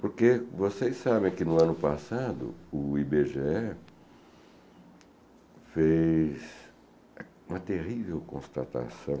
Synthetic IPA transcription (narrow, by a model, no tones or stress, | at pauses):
poɾkevosejsabẽj̃kɪnʊɐ̃nʊpasad̪ʊ̰ʊibeʒeɛ | fes | ũmɐt̪eʁivewkõst̪at̪a̰sɐ̃w̃